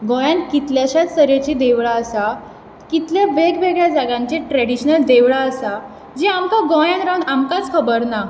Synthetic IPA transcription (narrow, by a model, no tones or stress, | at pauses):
ɡɔ̃jãnkit̪ljaɕat͡ssəɾet͡ɕid̪eʋɭaəsa | kit̪ljaʋeɡʋeɡɭjad͡zaɡãɲt͡ɕeʈɾɛɽiɕnəld̪eʋɭaəsa | d͡ʑiamkaɡɔ̃jãnɾawnamkat͡skʰəbəɾna